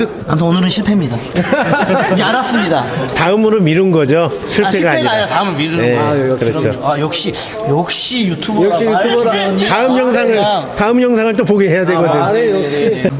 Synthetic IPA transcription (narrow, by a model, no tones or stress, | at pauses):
amtʰonɯɾɯnɕʰiɭpʰemɲida | aɾas͈ɯmɲidataɯmɯɾomiɾɯnɡʌd͡ʑo | ɕʰiɭpʰe̞ɡaːɲit̪aɯmɯmiɾɯnekɯɾʌt͡ɕʰoajʌk̚ɕ͈i | jʌk̚ɕ͈ijutʰubɕitʰut̪aɯmjʌŋs̬ʰaŋɯɭtaɯmjʌŋsʰaŋɯɭt͈opoɡiɦe̞jadweɡʌdɯojkɕi